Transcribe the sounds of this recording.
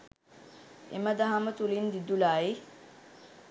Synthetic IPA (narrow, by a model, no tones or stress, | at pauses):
ḛməd̪aɦamət̪ulind̪id̪ulaːi